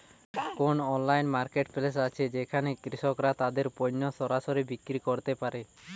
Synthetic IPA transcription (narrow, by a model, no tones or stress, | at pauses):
konɔnlajnmaɾkeʈpʰeles̬at͡ʃʰed͡ʒekʰanekɾisɔkɾat̪ad̪eɾpɔnːɔsɔɾasɔɾebikɾikɔɾt̪epaɾe